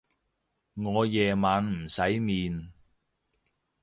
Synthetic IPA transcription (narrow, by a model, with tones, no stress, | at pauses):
ŋɔː˨˧jɛː˨maː˨˧nm̩˨˩sɐ˨˥jmiː˨n